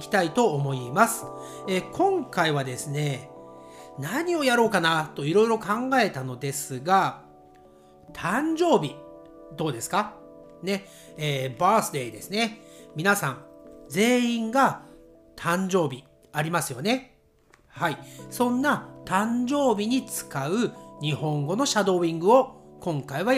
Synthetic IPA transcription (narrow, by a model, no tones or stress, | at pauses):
kʲi̥t̪ait̪o̞ːmo̞imasɨ̥ekʰõ̞ŋkaiβ̞ad̪e̞sɨne̞ | naɲ̟io̞jaɾo̞ːkanat̪o̞iɾo̞iɾo̞kãŋɡae̞t̪ano̞d̪e̞sɨɡa | t̪ʰãɲ̟d͡ʑo̞ːbʲi | d̪o̞ːd̪e̞sɨ̥ka | ne̞ | eːbaːsɨd̪e̞id̪e̞sɨnemʲinasãŋd͡ze̞ːĩŋɡa | t̪ʰãɲ̟d͡ʑo̞ːbʲi | aɾʲimasɨjo̞ne̞ | haisõ̞nːat̪ãɲd͡ʑo̞ːbʲiɲ̟it͡sɨ̥kaɯ̟ɲ̟ihõ̞ŋɡo̞no̞ɕad̪o̞ːĩŋɡɯ̟o̞kõ̞ŋkaiβa